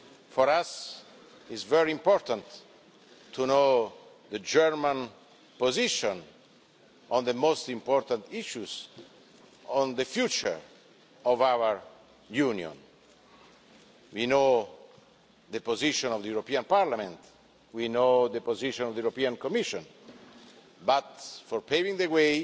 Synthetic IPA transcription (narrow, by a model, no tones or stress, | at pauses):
fɔɾas | izvɛɹiĩmpɔɾt̪ãnt̪ | t̪ʰuno | d̪əd͡ʒɛɹmãn | poziʃɔ̃n | ɔ̃nd̪əmost̪ĩmpɔɾt̪ãnt̪iʃuz | ɔ̃nd̪əfjut͡ʃə̰ɹ | ɔvawəɹ | junjɔ̰̃n | wino | ðəpoziʃɔ̃nɔvd̪əjuɾopiãnpaɾlamɛ̃nt̪ | winod̪əpoziʃɔ̃nɔvd̪əjuɾopiãnkɔmiʃɔ̃n | bat̪fɔɹpevĩŋd̪əwe